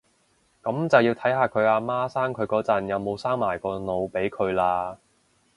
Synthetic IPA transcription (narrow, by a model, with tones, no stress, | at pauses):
kɐ˨˥mt͡sɐ˨wjiː˧wt̪ʰɐ˨˥jɦaː˨˧kʰɵ˨˧ɥaː˧maː˥saː˥ŋkʰɵ˨˧ɥkɔː˨˥t͡sɐ˨˩njɐ˨˧wmo˨˧wsaː˥ŋmaː˨˩jkɔː˧no˨˧wpe˨˥jkʰɵ˨˧ɥlaː˧